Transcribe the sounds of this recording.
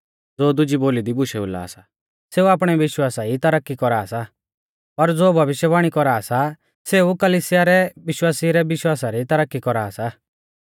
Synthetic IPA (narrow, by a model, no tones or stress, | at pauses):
d͡zoːd̪ʊd͡ʒiboːlid̪ibʊʃɛʊ̰la̰ːsa | seːuaːp̬ɽ̃ɛʋɪʃwaːsait̪ɐɾəkːikɔɾaːsa | pɐɾd͡zoːbʱɐʋɪʃjəbaːɽ̃ikɔɾaːsa | seukɐliːsɪjaɾɛʋɪʃwaːsiɾɛbɪʃwaːsaɾit̪ɐɾəkːikɔɾaːsa